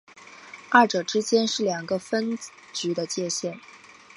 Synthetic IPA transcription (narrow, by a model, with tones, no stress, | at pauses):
ɐ˥˩ʈ͡ʂɤ˨˩ʈ͡ʂɻ̩˥t͡ɕjɛ˥nʂɻ̩˥˩ljɑ˨˩ŋɡə˧fə˥n | t͡ɕy˧˥d̪ə˧t͡ɕjɛ˥˧ɕjɛ˥˩n